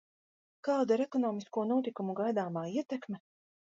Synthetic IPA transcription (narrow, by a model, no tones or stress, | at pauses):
kaːd̪aɾekɔnɔːmiskuɔnuɔt̪ikumuɡajd̪aːmaːiɛt̪ɛkmɛ